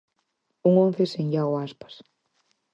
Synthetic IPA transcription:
uŋõnθeseɲʎawaspḁs

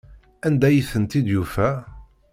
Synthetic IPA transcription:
ænd̪æjiθənt̪id̪jufæ

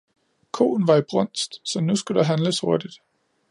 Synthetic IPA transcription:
kʰo̝̰ːn̩ʋɑ̈ib̥ʁɔn̰sd̥sɒ̽nusɡ̥ud̥ɑ̈ɦænləsho̝ɐd̥id̥

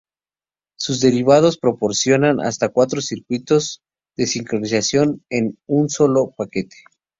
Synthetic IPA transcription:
suzd̪e̞ɾiβað̞o̞spɾo̞po̞ɾsjo̞nanʔa̰st̪akwat̪ɾo̞siɾkwit̪o̞z | ðe̞siŋkɾo̞nisasjo̞ne̞nunso̞lo̞pake̞t̪ʰe̥

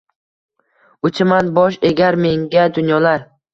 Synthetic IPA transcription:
ʊt͡ʃʰɪmanbɒʃeɡʲaɾme̞ŋɡʲad̪ʊnjɒlaɾ

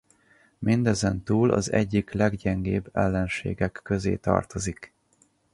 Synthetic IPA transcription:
mind̪ɛzɛnt̪uːlʔɒ̰zɛɟːiklɛɡɟɛŋɡeːbɛlːɛnʃeːɡɛkːøzḛːt̪ɒ̰rt̪o̞zik

